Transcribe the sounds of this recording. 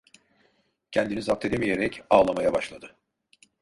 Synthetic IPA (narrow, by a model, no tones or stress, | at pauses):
cʰɛnd̪inizap̚t̪ʰe̞d̪emije̞ɾɛcaːlˠamajabaʃlˠad̪ɯ